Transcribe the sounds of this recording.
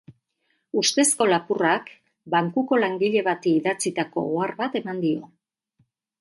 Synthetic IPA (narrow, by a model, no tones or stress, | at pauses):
ust̪e̞sko̞lapurak | baŋkuko̞laŋɡiʎe̞βat̪iːðat͡sit̪ako̞̰oarβat̪e̞mand̪io̞